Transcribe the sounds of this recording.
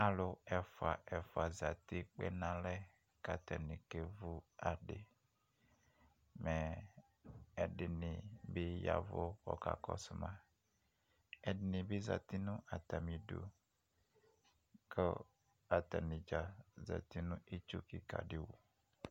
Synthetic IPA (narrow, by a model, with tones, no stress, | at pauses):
a˨lo˨ɛ˨fo˨a˨ʔɛ˨fo˨a˨za˨t̪i˦k͡pɛ̰˦nã˦lɛ˦ | ka˨t̪ɛ˨nĩ˨ke˦vu˦a˨ɖe˨ | mɛ˨ | ɛ˨ɖɪ˨nĩ˨be˦ja̰˨vo˦kɔ̰˨ka̰˨kɔ̰˦su˦mã˨ | ɛ˨ɖɪ˨nĩ˨be˦za̰˨t̪i˦nũ˦ʔa˨t̪a˨mĩ˨ɖo̰˨ | kə˦ | a˨t̪a˨nĩ˨d͡ʒa˨za̰˨t̪i˦nũ˦ʔi˦t͡ʃo˦ki˨ka̰˨ɖi˦wṵ˨